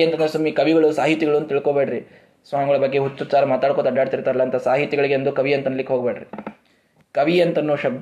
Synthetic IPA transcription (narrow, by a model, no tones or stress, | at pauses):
ɐnt̪ɐnɐsɐmːikɐʋiɡɐɭusaːɦit̪ːiɡɐɭunːut̪iɭkoːbeːɖɐɾi | sʋaːmɐɡɐɭɐbɐɡːe̞ɦut̪ːut͡ʃaːɾɐmaːt̪aːɽkot̪ɐɖaːɖt̪iɾt̪aːɾɐlːɐɐnt̪ʰɐsaːɦit̪ːiɡɐɭiɡeɐnd̪ukɐʋijɐnt̪ɐnɐlikːeɦoɡbeːɽɾi | kɐʋijɐnt̪ɐnːuːʃɐbd̪